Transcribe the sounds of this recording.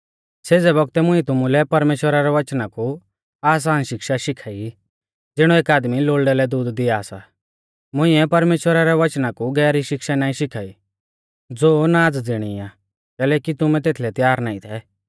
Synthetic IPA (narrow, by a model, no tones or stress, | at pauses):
seːd͡zɛbɔɡ̚t̪ɛmʊ̃ĩt̪ʊmulɛpɐɾmeːʃwəɾaɾɛʋɐt͡ʃnaku | aːs̬aːnʃɪkʃaʃɪkʰaːi | d͡zɪɽ̃ɔeːkaːd̪miloːlɖɛlɛd̪uːd̪ːɪjaːsa̰ | mʊ̃ĩɛpɐɾmeːʃwəɾaɾɛʋɐt͡ʃnakuɡɛːɾiʃɪkʃanãːĩʃɪkʰaːi | d͡zoːnaːd͡zd͡zɪɽ̃ia | kɛːlɛːkit̪ʊmɛ̃t̪eːt̪ʰlɛt̪jaːɾnaːĩt̪ʰɛ